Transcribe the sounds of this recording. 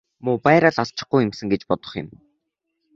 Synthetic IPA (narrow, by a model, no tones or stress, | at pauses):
mʊpæːɾaːɮaɮt͡ɕɪ̆χɡujɪ̆msɘ̆ŋɡet͡ɕpɔt̪ɞ̆χə̰̆m